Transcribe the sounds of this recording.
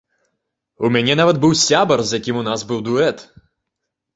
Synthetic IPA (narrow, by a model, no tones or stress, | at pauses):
umʲanʲɛnavɐd̪̚bɨwsʲabɐrzjakʲimunazbɨwd̪uɛt̪